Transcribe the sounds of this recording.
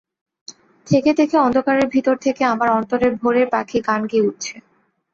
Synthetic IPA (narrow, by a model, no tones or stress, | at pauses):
t̪ʰeket̪ʰekeɔnd̪ʱokaɾeɾbʱit̪oɾt̪ʰekeamaɾɔnt̪oɾeɾbʱoɾeɾpakʰikankeuʈ̚t͡ɕʰe